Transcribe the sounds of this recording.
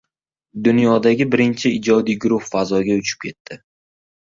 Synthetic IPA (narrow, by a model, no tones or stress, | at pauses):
d̪ʊnjɒd̪aɡʲɪbɪɾɪnt͡ʃʰɪɪd͡ʒɒd̪ijɡʊɾʊχfazɒɡʲaʊt͡ʃʰɪ̥p̚kʲʰe̞t̪ʰːɪ